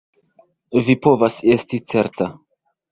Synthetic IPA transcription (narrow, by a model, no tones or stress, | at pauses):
vipo̞vase̞stit͡se̞ɾta